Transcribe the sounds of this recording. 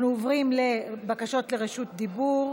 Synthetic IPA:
nuovʁimlebakaʃo̞t̪le̞ʁeʃut̪̚d̪ibuʁ

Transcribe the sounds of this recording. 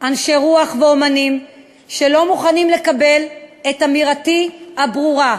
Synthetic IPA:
ʔanʃeʁuaχveo̞manim | ʃelo̞muχanimle̞kabe̞letamiʁatihabʁuʁa

